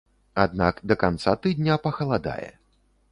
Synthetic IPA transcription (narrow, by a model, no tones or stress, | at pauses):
ad̪nakd̪ɐkant̪sat̪ɨd̪ʲnʲapɐxɐlˠad̪a̰jɛ̰